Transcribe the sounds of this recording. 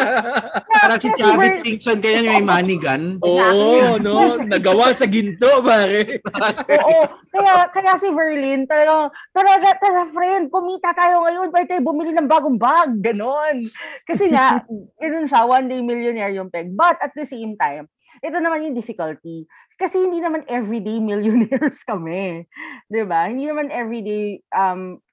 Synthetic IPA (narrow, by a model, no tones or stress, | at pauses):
aɾɐsɪiɪsiŋsonkɐjanoŋɐjmaɐnɪɡɐnʔoːnonɐɡɐwasɐɡɪnt̪opaːɾɛʔoːʔokɐjakɐjasivɛɹlɪnt̪ɐlɐɡaŋt̪ɐlɐɡat̪ɐlafɾɛnd̪̚kʊmiːt̪ɐt̪aːjoŋɐjo̞npɐhɛd̪̚ajbʊmilinɐŋbaːɡoŋbaɡ̚ːɐno̞nkɐsɛŋaʔɡɐnonʃɐwɐnd̪ejmɪljʊnɛɹjʊŋpɛɡ̚bɐt̪ʔɐt̪̚d̪ɛsejmt̪ajm | ʔɛt̪onɐmanjʊŋd̪ɪfɪkɐlt̪i | kɐsɛhɪnd̪iːnɐmanʔɛvɹid̪ejmɪljʊnɛɹskɐmɛd̪ɪbahɪnd̪iːnɐmanʔɛvɹid̪ejʔɐm